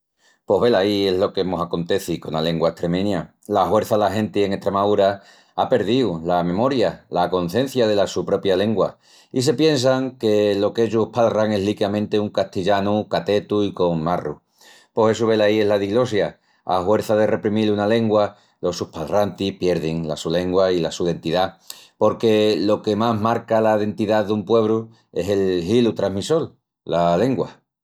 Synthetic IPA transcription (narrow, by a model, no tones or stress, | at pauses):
po̞ɦβe̞laie̞ɦlo̞kemo̞sako̞nt̪e̞θikonale̞ŋɡwaeht̪ɾe̞mẽ̞ɲa | lahwe̞ɾθalaɦe̞nt̪ieŋe̞ht̪ɾemauɾa | ape̞ɾð̞iwlamẽ̞mo̞ɾjalako̞n̟θjẽ̞n̟θjaðe̞lasupɾo̞pjale̞ŋɡwa | is̬e̞pje̞ns̬aŋke̞lo̞keʝopaðraŋe̞ɦlikamẽnt̪euŋkaht̪iʎanukat̪e̞t̪uiko̞ŋmarṵ | po̞se̞suβ̞e̞laie̞ɦlaðiɣlo̞sja | a̰hwe̞ɾθaðe̞re̞pɾimilunale̞ŋɡwa | lo̞supalrant̪ihpje̞ɾðeŋla̰sule̞ŋɡwailasuðe̞nt̪iðapo̞ɾke̞lo̞ke̞maɦmaɾkalaðe̞nt̪iðaðumpwe̞β̞ɾu | e̞̰se̞lhilut̪ɾaɦmiso̞l | lale̞ŋɡwa